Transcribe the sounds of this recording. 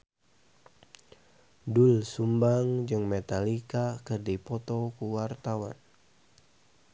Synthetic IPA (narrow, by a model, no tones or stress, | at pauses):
dulsumbaŋd͡ʒɨŋmet̪alikakɨrdipɔt̪ɔkuwart̪awa̰n